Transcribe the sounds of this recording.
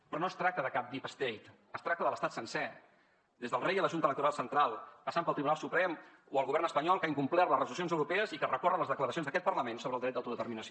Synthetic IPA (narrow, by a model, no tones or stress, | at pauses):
pɾɔnoəst̪ɾak̚t̪əðəkap̚d̪ipəst̪ejt̪ | əst̪ɾak̚t̪əðələst̪at̪sənsɛ | d̪ezðəlˠrejələʒunt̪ələk̚t̪uɾalˠsənt̪ɾalˠpəsampəlˠt̪ɾiβunalˠsupɾɛm | oəlˠɣuβɛrnəspəɲɔlˠkaiŋkumplɛɾləzrəzulusionzəwɾupɛəzikərəkɔrələzðəkləɾəsionðəkɛt̪pərləmensoβɾəlˠd̪ɾɛt̪̚d̪awt̪uðət̪əɾminəs